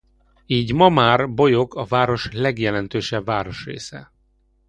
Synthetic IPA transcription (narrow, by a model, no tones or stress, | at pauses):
iːɟmɒmaːrbo̞jo̞kɒvaːɾo̞ʃlɛɡjɛlɛn̪t̪øːʃɛbvaːɾo̞ʃrḛːsɛ̰